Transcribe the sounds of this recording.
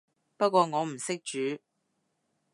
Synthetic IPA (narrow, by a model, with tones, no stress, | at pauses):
pɐ˥t̚kʷɔː˧ŋɔː˨˧m̩˨˩sɪ˥k̚t͡ʃyː˨˥